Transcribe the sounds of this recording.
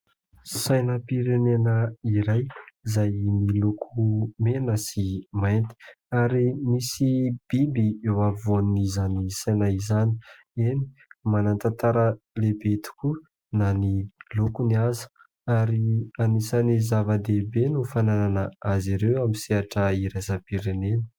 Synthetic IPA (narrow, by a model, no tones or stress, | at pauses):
sajnəpiɾenenəiɾajzajmilukʰumenəsimajnt̪i̥ | aɾimisib̥ibiewavonnizanisajnaizani̥ | eni̥manant̪ant̪aɾə | lebet̪u̥kʲu | nanilukuniazə̥ | aɾianisənizavəd̪ebenufanananəaziɾewamiseaʈ͡ʂəiɾazapiɾenenə̥